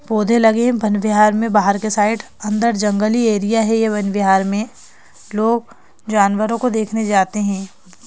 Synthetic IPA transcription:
boːd̪ʱelɐɡẽbʱɐnʋɪɦaːɾmẽbaːɦəɾkesaːɪʈ | ɐ̃nd̪əɾd͡ʒɐ̃ŋɡəlieːɾijaɦɛjabɐnʋɪɦaːɾmẽ | loːɡ̚ | d͡ʒaːnʋəɾõkod̪eːkʰned͡ʒaːt̪eɦɛ̃ː

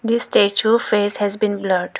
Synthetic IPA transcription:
d̪isʈet͡ʃufeːshɛzbĩnbləʈ

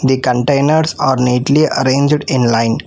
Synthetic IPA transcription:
d̪ikə̃ɳʈẽːnəɾsaːɾniːʈliʔəɾẽːnd͡ʒɖɪ̃nlãɪ̃n

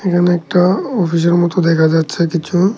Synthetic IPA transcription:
ekʰaneɛk̚ʈaɔfiʃ̬eɾmɔt̪od̪ɛkʰad͡ʑatːɕʰekit͡ɕʰu

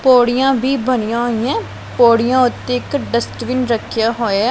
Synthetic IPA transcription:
poːɽɪjãːbʱiːbənɪjãːɦoːijɛ̃ː | poːɽɪjãːʊt̪ːeːɪkɖəsʈʋɪnɾəkʰːɪjaːɦoːeɛː

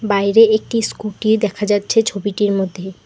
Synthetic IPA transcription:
bajɾeek̚ʈiskuʈiɾd̪ɛkʰad͡ʑatːɕʰet͡ɕʰobiʈiɾmod̪ʱːe

